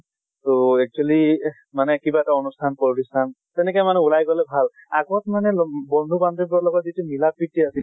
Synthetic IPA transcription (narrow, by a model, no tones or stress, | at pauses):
toɛk̚t͡ʃuali | manɛkibaɛtaɔnustʰanpɔɹɾistʰan | tɛnɛkɔjmanɛulajɡɔlɛbʱal | a̰ɡɔtmanɛbɔndʱubandipɹɔlɔɡɔtzitumilap̚ɹitiasi